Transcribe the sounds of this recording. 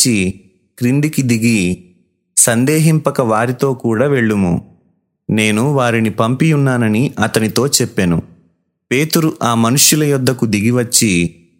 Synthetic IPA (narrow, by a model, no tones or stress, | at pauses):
i | kɾind̪ikid̪iɡi | sɐnd̪ɛːɦimpɐkɐʋaːɾit̪o̞ːkuːɽaːʋe̞ɭːumṵ | ne̞ːnuʋaːɾinipɐmpijunːaːnɐniʔɐt̪ɐnit̪o̞ːt͡ʃɛpːenu | pe̞ːt̪uɾuʔaːmɐnuʂjulɐjɔd̪ːɐkud̪iɡiʋɐt͡ʃːi